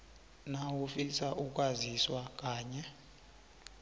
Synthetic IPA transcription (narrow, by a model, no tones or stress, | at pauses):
nawufisaʔuk̬ʼwaziswak̬ʼaːɲɛ